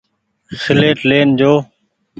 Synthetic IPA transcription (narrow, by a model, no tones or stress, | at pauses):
sɪleːʈleːnd͡ʒoː